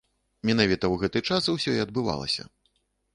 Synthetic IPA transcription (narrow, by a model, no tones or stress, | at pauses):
mʲɛnavʲit̪ɐwɣɛt̪ɨt͡ʂaswsʲɔiɐd̪̚bɨva̰lˠɐ̰sʲɐ̰